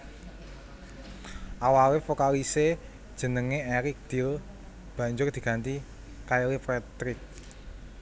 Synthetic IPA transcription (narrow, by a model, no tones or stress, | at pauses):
ʔawawefokalise | d̥ʒ̥ə̤nəŋeɛɾɪk̚d̪̥i̤l | b̥ä̤ɲd͡ʒʊrd̪̥i̤ɡ̥a̤nt̪i | kajowepɾɛt̪ɾɪk̚